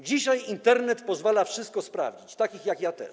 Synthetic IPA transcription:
d͡ʑiɕajint̪ɛɾnɛt̪pɔzvalafʂɘst̪kɔspɾa̰vd͡ʑit͡ɕt̪akʲixjakjat̪ɛ̰ʂ

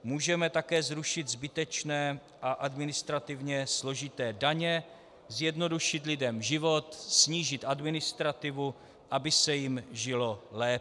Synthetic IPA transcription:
muːʒɛmɛt̪akɛːzɾuʃɪt̪zbɪt̪ɛt͡ʃnɛː | ʔaʔadmɪnɪst̪ɾat̪ɪvɲɛslo̞ʒɪt̪ɛːdaɲɛ | zjɛdno̞duʃɪt̪lɪdɛmʒɪvo̞t̪sɲiːʒɪt̪ʔadmɪnɪst̪ɾat̪ɪvu | ʔabɪsɛjɪmʒɪlolɛː

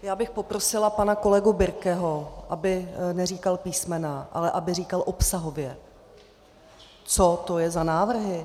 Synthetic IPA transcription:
jaːbɪxpo̞pɾosɪlapanako̞lɛɡubɪɾkɛɦoʔabɪnɛr̝iːkalpiːsmɛnaʔa̰lɛʔabɪr̝iːkalʔopsaɦo̞vjɛ | t͡so̞t̪o̞jɛzanaːvr̩ɦɪ

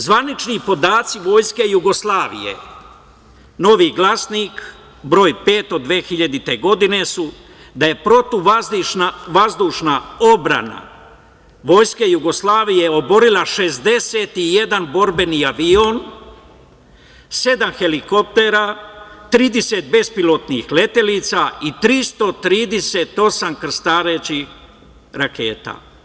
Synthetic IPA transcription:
zʋanit͡ʃnipo̞d̪aːt̪siʋo̞ːjske̞juɡo̞slˠaːʋḭjḛ | no̞ʋiːɡlˠasniːk | bɾo̞ːjpe̞ːt̪o̞d̪ʋeːxiʎad̪it̪e̞ɡo̞d̪ine̞su | d̪aje̞pɾo̞t̪uaʋazd̪uːʃnao̞bɾa̰na̰ | ʋo̞ːjske̞juɡo̞slˠaːʋije̞o̞bo̞ɾilˠaʃe̞zd̪e̞set̪ije̞d̪anbo̞ɾbe̞niaʋio̞n | se̞d̪amxe̞liko̞p̚t̪eɾat̪ɾiːd̪ese̞t̪̚be̞spilo̞t̪nḭxle̞t̪e̞liːt̪sait̪ɾist̪o̞t̪ɾiːd̪eset̪o̞samkr̩st̪aːɾet͡ʃix | ɾake̞ːt̪a̰

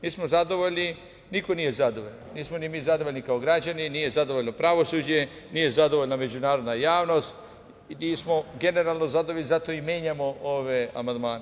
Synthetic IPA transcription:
niːsmozad̪o̞ʋoʎni | niko̞nije̞zad̪oʋoʎnniːsmonimizad̪oʋoʎʲnikaoɡɾad͡ʒaniniːje̞zad̪oʋoʎnopɾaʋo̞suːd͡ʑe | niːje̞zad̪oʋoʎname̞d͡ʒunaːɾod̪najaːʋno̞st̪ | niːsmo̞ɡe̞ne̞ɾalˠnozad̪oʋoʎizat̪o̞imjeːɲamooʋea̰mand̪maːne

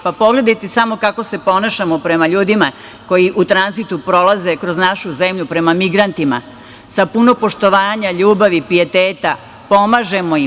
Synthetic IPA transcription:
papo̞ɡle̞d̪ajt̪esamo̞kako̞se̞po̞naʃamo̞pɾe̞maʎuːd̪ima | ko̞jiʔut̪ɾanzit̪upɾo̞lˠaze̞kɾo̞znaʃuzemʎupɾe̞mamiɡɾant̪ima̰ | sapuno̞po̞ʃt̪o̞ʋaːɲaʎuːbaʋipie̞t̪eːt̪a | po̞maʒe̞mo̞i

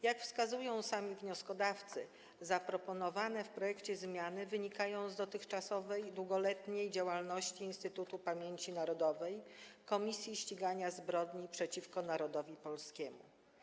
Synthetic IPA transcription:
jakfskazujɔ̃w̃samʲivɲɔskɔd̪aft̪sɘ̰ | zapɾɔpɔnɔvanɛfpɾɔjɛkt͡ɕɛzmʲjanɘvɘɲikajɔ̃w̃zd̪ɔt̪ɘxt͡ʂasɔvɛjd̪wuɡɔlɛt̪ɲejd͡ʑawalnɔɕt͡ɕiːnst̪ɘt̪ut̪upamʲjeɲt͡ɕinaɾɔd̪ɔvɛjkɔmʲisʲjiɕt͡ɕiɡaɲazbɾɔd̪ɲipʂɛt͡ɕifkɔnaɾɔd̪ɔvʲipɔlskʲɛmṵ

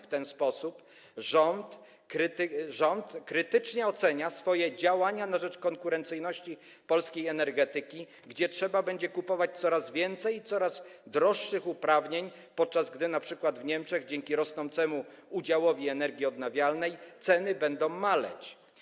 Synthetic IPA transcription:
ft̪ɛnspɔsup | ʐɔnt̪ | ɾʐɔnt̪kɾɘt̪ɘt͡ʂɲɛɔt̪sɛɲasfɔjɛd͡ʑawaɲanaʐɛt͡ʂkɔŋkuɾɛnt̪sɘjnɔɕt͡ɕi | pɔlskʲejɛnɛɾɡɛt̪ɘkʲi | ɡd͡ʑɛtʂɛbabɛɲd͡ʑɛkupɔvat͡ɕt̪sɔɾazvʲjɛnt̪sɛjit̪sɔɾazd̪ɾɔʂːɘxupɾavɲeɲ | pɔt̪̚t͡ʂazɡd̪ɘnapʂɘkwad̪vɲɛmt͡ʂɛɣd͡ʑɛŋkʲiɾɔsnɔ̃nt̪sɛmu | ud͡ʑawɔvʲiɛnɛɾɡʲiɔd̪navʲjalnɛjt̪sɛnɘbɛnd̪ɔ̃w̃malɛ̰t͡ɕ

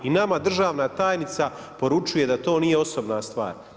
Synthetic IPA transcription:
inamad̪r̩ʒaːʋnat̪aːjnit̪sa | po̞ɾut͡ʃuje̞d̪at̪o̞ːnijeo̞so̞bnast̪ʋa̰ːɾ

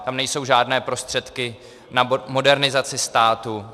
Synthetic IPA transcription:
t̪amnɛjso̞wʒaːdnɛːpɾo̞st̪r̥ɛt̪kɪ | namo̞dɛɾnɪzat͡sɪst̪aːt̪u

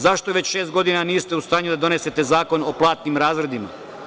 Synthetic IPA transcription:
zaʃt̪oʋe̞t͡ɕʃe̞st̪ɡo̞d̪inaniːst̪eust̪aːɲud̪ad̪o̞ne̞se̞t̪e̞zaːko̞noplˠaːt̪nimɾaːzɾe̞d̪ima̰

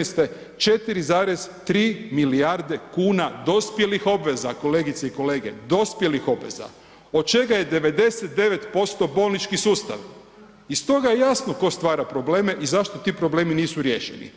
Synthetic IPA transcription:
ist̪e | t͡ʃe̞t̪iɾizaːɾezt̪ɾiːmiliaɾd̪e̞kuːnad̪o̞spje̞lixo̞bʋe̞zako̞le̞ːɡit̪seiko̞le̞ːɡe̞̰d̪o̞spje̞lixo̞bʋe̞̰za̰ | o̞d̪̚t͡ʃe̞ɡaje̞d̪e̞ʋe̞d̪e̞set̪̚d̪e̞ʋe̞t̪po̞st̪o̞bo̞ːlnit͡ʃkisuːst̪a̰ʋ | ist̪o̞ɡajejasnoko̞st̪ʋaːɾapɾo̞ble̞ːme̞ʔizaʃt̪o̞t̪iːpɾo̞ble̞ːminiːsuɾje̞ːʃenḭ

